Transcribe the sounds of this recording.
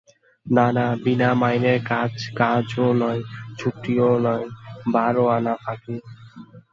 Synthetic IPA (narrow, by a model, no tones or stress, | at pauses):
nanabinamajneɾkad͡ʑkad͡ʑonɔjt͡ɕʰuʈionɔjbaɾoanapʰaki